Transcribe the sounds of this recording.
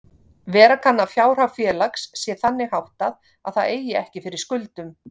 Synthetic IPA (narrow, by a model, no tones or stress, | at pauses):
vɛːɾakʰanːafjaːwɾ̥avfjɛːlaksːjɛθanːɪhawht̪að | a̰ðθaðeːjɪɛhcɪfɪɾɪɾ̥skʏlt̪ʏm